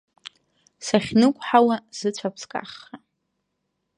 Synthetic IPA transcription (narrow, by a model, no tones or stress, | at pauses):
saχʲnɨkʷʼħawaz̥ɨt͡ɕʷʰapʰskʼa̰χːa